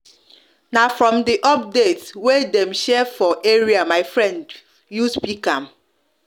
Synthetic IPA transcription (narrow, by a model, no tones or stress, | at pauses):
nafɹɔ̃mdiʔɔp̚detswedɛm̩ʃɛfɔʔeɹiamaɪfɹɛ̃nd | juspikam̩